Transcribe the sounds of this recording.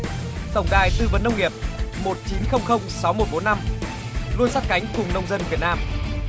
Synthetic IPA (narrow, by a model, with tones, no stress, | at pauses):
t̪ə˨˩wŋ͡mɗaː˨˩jt̪ɨ˧və˨˩nːə˧wŋ͡mŋi˨˩əp̚mo˨˩t̚t͡ɕi˨˦nxə˧wŋ͡mxə˧wŋ͡msa˨˦wmo˨˩t̚ɓo˨˦nːa˧m | lu˧ənsa˦˥t̚ka˨˦jŋ̟kʊ˨˩ŋ͡mnə˧wŋ͡mzə˧nvi˨˩ət̚naː˧m